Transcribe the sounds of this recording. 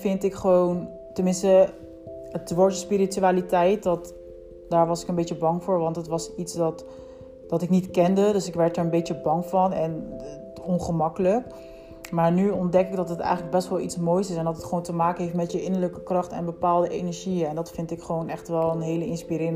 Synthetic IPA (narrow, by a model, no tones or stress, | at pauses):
fɪntɪkχəʋown | tənmɪnstə | ətʋɔɹtəspiɾityaːlitɛjt̚dɑt | daːɹʋɑsɪ̥kənbejt͡ʃəbɑŋvʊːɹʋɑntɦətʋɑsitsdɑt | dɑtɪknitkɛndədɵsɪkʋɛɹt̚əɹənbejtəbɑŋvɑnɛn | ɔnχəmɑkələk | maːɹnyɔndɛkɪɡ̚dɑtɦətɛ̰jxχənləɡ̚bɛstʋɛlˠitsmojsɪsɛndɑtətχəʋowntəmaːkənɦeftmɛtjəʔɪnəɹləkəkrɑχtɛ̰nbəpaːlˠdəʔejnəɹʒiəɛndɑtfɪntɪkχəʋownɛχtʋɛlˠənɦejləɪnspiɾɪːrə